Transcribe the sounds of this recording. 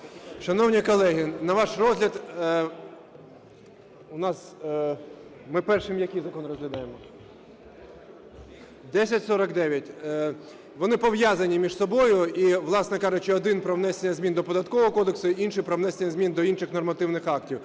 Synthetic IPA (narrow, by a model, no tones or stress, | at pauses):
ʃɐnɔwnʲikɔlˠɛɦɪnɐʋɑʃrɔzɦlʲɐd̪ | ʊnɑs | mɪpɛrʃɪmjɐkejzɐkɔnrɔzɦlʲɐd̪ɑjemɔ | d̪ɛsʲɐtʲsɔɾɐkd̪ɛʋʲjɐtʲ | ʋɔnɪpɔʋjazɐnʲimʲiʒsɔbɔjʊiʋlˠɑsnɛkɑʒʊt͡ʃɪɔd̪ɪnpɾɔwnɛsenʲːɐzʲmʲind̪ɔpɔd̪ɐt̪kɔʋɔɦɔkɔd̪eksʊinʃɪjpɾɔʋn̪ɛsenʲːɐzʲmʲind̪ɔinʃɪxnɔrmɐt̪ɪwnɪxɑktʲiw